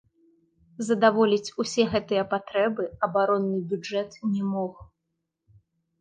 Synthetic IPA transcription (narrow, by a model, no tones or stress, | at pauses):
zɐd̪avɔlʲit͡sʲusʲɛɣɛt̪ɨjɐpat̪ɾɛbɨɐbaɾɔnːɨbʲud͡ʐɛt̪nʲɛmɔx